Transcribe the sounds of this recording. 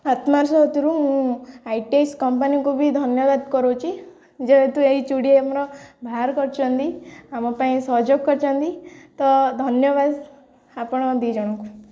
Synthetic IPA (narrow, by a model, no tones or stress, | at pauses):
at̪maɾsɔɦɔt̪uɾuɦũaiʈeskɔmpanikubʱid̪ʱʌnjɔʋad̪kɔɾot͡ʃʰi | d͡ʒebet̪ũeɾit͡ʃuɽieamɾɔbʱaɾkɔɾt͡ʃʰɔnd̪iamɔ̃paĩsɔd͡ʒɔkkːɔɾt͡ʃʰand̪it̪ɔd̪ʱʌnjɔʋad̪ | apɽ̃ɔd̪id͡ʒɔɽ̃ɔ̃ku